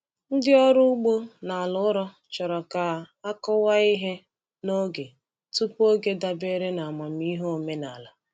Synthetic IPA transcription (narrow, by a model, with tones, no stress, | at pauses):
n̩˦dɪ˦ɔ˦ɾʊ˦u˦ɡ͡bo˦na˨a˨lʊ˨˦ɾɔ˦ | t͡ʃɔ˨ɾɔ˨ka˨ | a˦kɔ˦wa˦i˦ɦe˦ | no˦ɡe˨ | tu˦po˦ɡe˦da˨be˦ɾe˦na˨a˨ma˨mi˦ɦo˦˨me˦na˨la˨